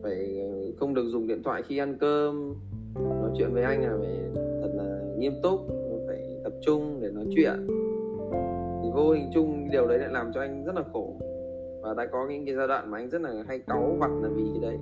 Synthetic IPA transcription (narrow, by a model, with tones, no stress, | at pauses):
faː˧˩jxə˧wŋ͡mɗɨ˨˩ək̚zʊ˨˩ŋ͡mɗḭ˧˨ənt̪ʰwa̰ː˧˨jxi˧ʔa˧nkəː˧m˩ | nɔ˨˦jt͡ɕwḭ˧˨ənvəː˨˦jʔa˧jŋ̟aː˨˩ve˧˨˩zʰə˨˩n̚laː˨˩ŋi˧əmt̪ʊ˦˥k͡p̚mo˨˩kaː˧˩jt̪ə˨˩p̚t͡ɕʊ˧ŋ͡mɗe˧˩nɔ˨˦jt͡ɕwḭ˧˨ənʔ | t̪ʰi˨˩vo˧hï˨˩ŋ̟t͡ɕʊ˧ŋ͡mɗi˨˩əwɗə˨˦jla̰ː˧˥laː˨˩mt͡ɕɔ˧ʔa˧jŋ̟zə˦˥t̚laː˨˩xo˧˩ | vaː˨˩ɗa̰ː˧˥kɔ˨˦ɲɨ̰˧˥ŋkːaː˨˦jzaː˧ɗwa̰ː˧˨nmaː˨˩ʔa˧ŋ̟zə˦˥t̚laː˨˩ɦa˧jka˨˦wva˨˩t̚naː˨˩vi˨˩t̪ʰi˨˩ɗə˨˦j